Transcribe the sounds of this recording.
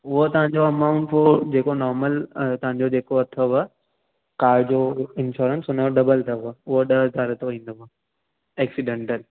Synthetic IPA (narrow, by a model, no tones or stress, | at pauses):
ʊɦot̪ɐʋ̤ãɲd͡ʑoɐmaːʊ̃ɳʈfod͡ʑeːkonɔːɾməlt̪ɐɦãɲ̆d͡ʑod͡ʑeːkoɐt̪ʰoʋɐ | kaːd͡ʑoːɪ̃nʃɔːɾə̃nsʊneoɖɐbəlt̪ʰɐʋɐʊɦoɗɐzaːɾɐt̪ʰoĩːn̆d̪oʋa | ɛːksiɖẽɳʈəl